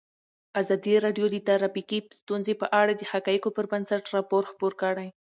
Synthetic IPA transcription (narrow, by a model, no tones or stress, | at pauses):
azɑd̪iɾɑɖjod̪ət̪aɾafikist̪unzepəʔaɽad̪əhakɑjikopəɾbansaʈɾɑpoɾxpoɾkəɽaj